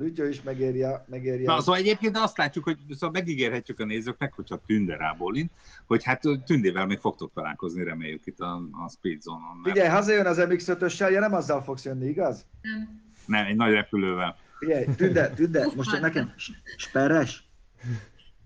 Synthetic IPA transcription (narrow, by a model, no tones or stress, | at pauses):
lucoːiʃmɛɡeːɾjɛmɛɡeːɾjɛsoːvɒlɛɟeːp̚keːnɒst̪laːcːukho̞ɟsomɛɡiɡeːrɦɛcːykɒneːzøːk̚nɛkho̞cʰhɒt̪ynd̪ɛɾa̰ːboːlinho̞chat̪t̪ːynd̪eːvɛlmeːkfo̞k̚t̪ok̚t̪ɒla̰ːlko̞zniɾɛmḛːjːykit̪ːɒspiːd̪zoːnonːfiɟɛjɦɒzɒjønɒzɛmiksøt̪øʃːɛljɒnɛmɒzːɒlfo̞ksjønːiiɡɒz | nɛmɛɟnɒɟrɛpyløːvɛl | fiɟɛjt̪ynd̪ɛt̪ynd̪ɛmoʃɛknɛkɛmʃʃpɛɾɛʃ